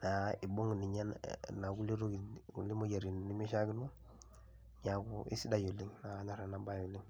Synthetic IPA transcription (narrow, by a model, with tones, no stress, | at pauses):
na˨i˨bo˦ŋ˨ni˨ɲa˦nna˨ɡu˦li˦ɾo˦ɡi˨ṵ˨li˦mo˦ɟa˨ɾi˨n˨ni˦mi˦ʃa˦ɡi˦nu˦ | ɲa˨ku˦ḭ˦si˦da˦jo˨li˦ŋna˨˦ɲa˨ɾa˨na˨ba˦jo˨li˦ŋ